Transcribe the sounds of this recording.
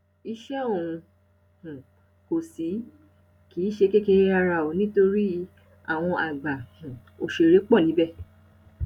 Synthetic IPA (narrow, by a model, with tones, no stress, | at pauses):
i˧ʃɛ˦o˦˨ũ˧ | hũ˨ | ko˨si˨˦ | ki˨˦ʃe˧ke˦ke˧˦a˧ɾa˧˨o˨nĩ˦to˧ɾi˦ | a̰˦˨w̃ɔ̃˧ʔa˨ɡ͡ba˨hũ˨ | o˨ʃe˧˨ɾe˨˦k͡pɔ˦˨nĩ˨˦bɛ˦˨